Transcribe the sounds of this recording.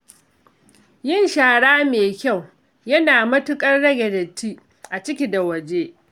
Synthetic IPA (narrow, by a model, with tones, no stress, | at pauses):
jɪ˦˨nʃaː˨ɽaː˦meː˨kʲa˦˨w | jɐ˦naː˨mɐ˦tʊ˦kʼɐ˦rɽɐ˦ɡʲɛ˨dɐ˨tʰːiː˦ | ʔa˨t͡ʃɪ˦kʲi˨da˨wɐ˨d͡ʒeː˦ʔ